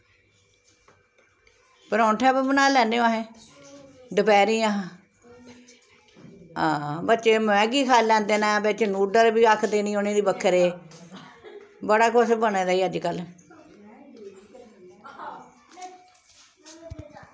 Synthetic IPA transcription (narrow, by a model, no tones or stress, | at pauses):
pəɾɔ̃ːnʈʰɛ̃ːbbənaːlɛ̃ːneːaːɦẽː | d̪əpɛːɾĩːã | ãːbətːt͡ʃeːmɛ̃ːɡiːkʰaːlːɛ̃ːnd̪eːnãːbet͡ʃːnuːɖəɾbiːakʰd̪eːnĩːoːnẽːd̪iːbəkʰːəɾeː | bəɽaːkʰʊsbəneːd̪aːiːəd͡ʒkəl